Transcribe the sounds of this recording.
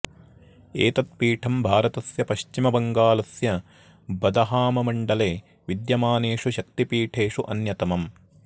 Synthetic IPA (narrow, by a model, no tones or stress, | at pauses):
eːt̪ɐt̪̚piːʈʰɐmbʱaːɾɐt̪ɐsjɐpɐʃt͡ʃimɐbɐŋɡaːlɐsjɐ | bɐd̪ɐɦaːmɐmɐɳɖɐleː | ʋid̪jɐmaːneːʂuʃɐkt̪ipiːʈʰeːʂuʔɐnjɐt̪ɐmɐm